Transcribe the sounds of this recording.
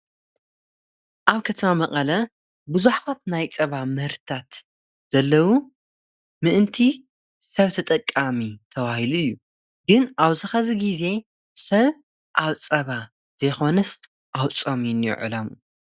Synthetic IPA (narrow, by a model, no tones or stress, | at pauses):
ʔaβkʰɐt̪ʰɐmamɐkʼɐlɐ | bɨzuħkʰot̪̚najt͡sʼɐβamɨɾt̪ʰat̪ | z̥ɐlːɐwu | mɨʔɨnt̪ʰi | sɐβt̪ʰɐt̪ʼɐkʼːamit̪ʰɐβahiluɨjːu | ɡɨnʔaβzɨxɐziɡize̞ | sɐβ | ʔaβt͡sʼɐβa | z̥ɐjxo̞nɐs | ʔawt͡sʼomijnjṵʕɨ̰lɐm